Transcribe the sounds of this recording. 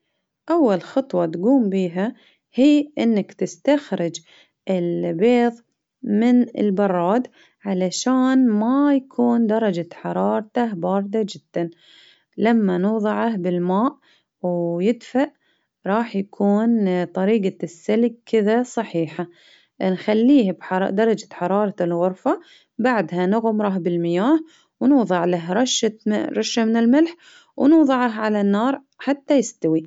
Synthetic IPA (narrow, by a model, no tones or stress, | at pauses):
ʔawːalxɑt̪ˤwɑt̪ɡuːmbiːɦa | hiːʔɪnːakt̪ɪst̪axɾɪd͡ʒ | ʔɪlbeːðˤ | mɪnɪ̰lbɑrˤːɑːd̪ | ʕalaʃaːnmajakʰuːnd̪ɑɾˤɑd͡ʒaħɑɾˤɑːɾˤt̪ahbɑːɾˤd̪ad͡ʒɪd̪̥ːan | lamːanʊːðˤɨʕahbɪlmaːʔ | wjɪd̪faʔ | ɾˤɑːħjakʰuːnt̪ˤɑɾiːɡasːalɡ̚kʰɪðasˤɑħiːħa | nxalːiːhabħɑd̪ɑɾˤɑd͡ʒḁħɑɾˤɑːɾˤɑlɣʊɾˤfa | baʕd̪ɦanʊɣmɾˤɑɦbɪlmɪjaːh | wnuːðˤɑʕlaɦɾˤɑʃːaɾˤɑʃːamɪnɪlmɪlħ | wnuːðˤɨʕɑɦʕalanːɑːɾˤ | ħat̪ːajɪst̪awi